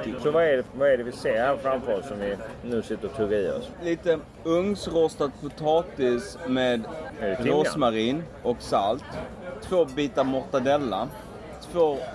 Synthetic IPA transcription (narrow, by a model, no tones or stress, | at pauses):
sɔvaɛɖɛvaɛɖɛvɪseːɾhæːɾfɾamfœəɾɔsːɔmvɪnʉ̟ːsɪt̪ːəɾɔt̪ʰɵɡəɾiːɔ̰sliːt̪ə | ɵŋsɾɔst̪ad̪̚pʰʊt̪ʰɑːt̪ɪsmeːd̪ɛɾoːsmaɾiːn | ʔɔksalt̪ʰː | v̥oːbiːt̪aɾmɔɾt̪ad̪ɛlːa | t̪ʰv̥oː